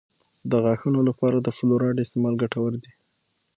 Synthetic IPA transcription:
d̪əɣaxunolapɑɾad̪əfloɾɑɖɪst̪emɑlɡaʈawəɾd̪i

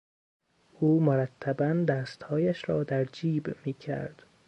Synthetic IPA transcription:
ʔuːmoɾæt̪ʰːæbænd̪æːst̪hɒːjæʃɾɒːd̪æɾd͡ʒiːbmiːcʰæ̰ɾd̪̥

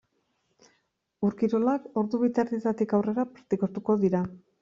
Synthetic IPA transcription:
uɾkiɾo̞lako̞ɾðuβit̪aɾðit̪at̪ikawre̞ɾapɾat̪ikost̪uko̞ðiɾa

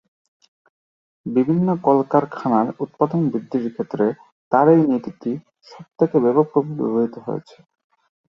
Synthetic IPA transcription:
bibʱinːokɔlkaɾkʰanaɾut̪̚pad̪onbid̪ːiɾkʰet̪ːɾe | t̪aɾejnit̪it̪i | ʃɔb̚t̪ʰekebebopɾobʱibḭboit̪oɦo̰ḛt͡ɕʰe̥

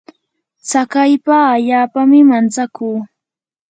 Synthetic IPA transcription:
t͡sakajpaːʎaːpamɪmant͡sakuː

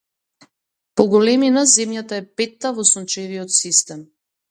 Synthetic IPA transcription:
pɔɡɔlɛminazɛmjat̪aɛpɛt̪ːavɔsunt͡ʃɛviɔt̪sist̪ɛm

